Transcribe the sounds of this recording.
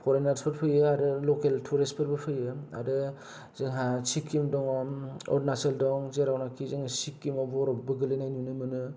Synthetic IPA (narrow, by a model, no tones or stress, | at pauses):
pʰɔɾenaɾspʰɯɾpʰɯjɯaɾɯlɔkeltʰuɾespʰɯɾbɯpʰɯjɯa̰ɾɯ | zɯŋɦasikʰːimdɔŋɔ̰dnaseldɔŋzeɾawnakʰizɯŋsikːimɔbɔɾɔbbɯɡɯlenajnunɯmɯnɯ